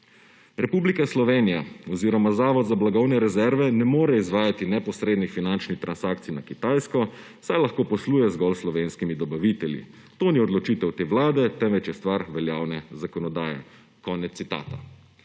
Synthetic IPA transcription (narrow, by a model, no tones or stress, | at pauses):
ɾɛpublikaslɔʋeːnijaɔziɾɔmazaːʋɔd̪zablaɡɔwnɛɾɛzɛɾʋɛnɛmoːɾɛizʋaːjat̪inɛpɔsɾeːd̪nixfinant͡ʃnixt̪ɾʔansaːkt̪sijnakit̪ajskɔ | wsajlaxkoːpɔsluːjɛzɡɔlslɔʋeːnskimid̪ɔbaʋit̪ɛljḭ | t̪oːniɔd̪lɔt͡ʃit̪ɛwt̪eːʋlaːd̪ɛt̪ɛmʋɛt͡ʃjɛst̪ʋaɾʋɛljaːwnɛzakɔnɔd̪aːjɛ̰ | kɔːnɛt̪ːit̪a̰ːt̪a